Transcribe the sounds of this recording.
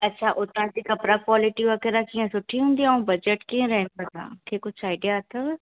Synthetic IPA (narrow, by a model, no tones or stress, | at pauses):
ɐtːɕʰaːʔʊt̪ãd͡ʑikɐpɾakwaːlɪʈiʋɐɣɛɾakiãsʊʈʰːiɦũːnd̪iãũbɐd͡ʑeʈkiə̃ɾɛɦɪ̃nd̪aã̰ːkʰekʊt͡ʃʰaːɪɖijat̪ʰo